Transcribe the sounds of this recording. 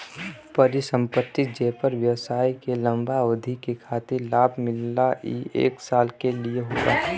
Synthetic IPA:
pəɾɪsə̃mpət̪ːid͡ʒeːpəɾʋjəʋsaːikelə̃mbaod̪ʱikekʰaːt̪ɪɾlaːbʱmɪlːaiḛːksaːlkelieɦoːɡa̰ː

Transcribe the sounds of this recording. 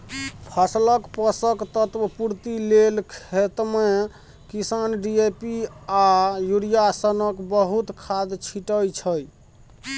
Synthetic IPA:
pʰəsləkpəsəkt̪ət̪puɾt̪ilelkʰet̪me | kisanɖiepiajuɾijasənəkbəɦut̪kʰad̪t͡ʃʰiʈəjt͡ʃʰəj

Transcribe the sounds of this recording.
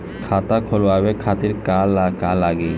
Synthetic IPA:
kʰat̪akʰoloabekʰat̪iɾkalakalaɡe

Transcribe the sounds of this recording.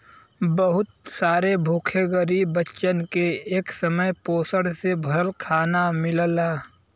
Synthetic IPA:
bəɦʊt̪saːɾebʱoːkʰeɡəɾibətːʃənkeeːksəməjpoːsəɽsebʱəɾəlkʰaːnamɪləlaː

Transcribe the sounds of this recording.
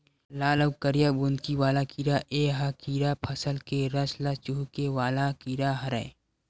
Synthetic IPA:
laːləwkəɾijabund̪kiʋaːlakiːɾaʔeːɦakiːɾapʰɐsəlkeɾɐslat͡ʃuːkewaːlakiːɾaɦɐɾɛ̰

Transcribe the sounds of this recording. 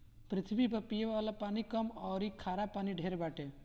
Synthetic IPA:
pɾɪt̪ʰibipɐpijeʋalapaːnikəmɔːɾikʰaːɾapaːniɖʱeɾebaʈe

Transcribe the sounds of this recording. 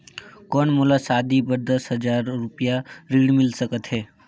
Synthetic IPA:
kɔːnmʊlasaːd̪ibəɾd̪əsɦəd͡ʒaːɾːʊpjaɾiːɽmɪlsəkət̪ɦɛː

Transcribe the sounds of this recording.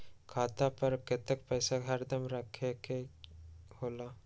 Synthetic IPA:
kʰaːt̪apɐɾket̪ekpɛːsaɦəɾd̪əmɾəkʰeke | hoːlaː

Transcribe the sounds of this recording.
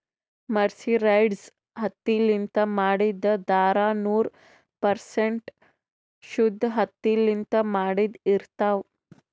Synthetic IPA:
məɾsiɾajɖs | ɦət̪ːilint̪əmaɽid̪əd̪aɾanuːɾ | pəɾseɳʈ | ɕud̪ʱːɦət̪ːilint̪əmaɽid̪iɾt̪aʋ

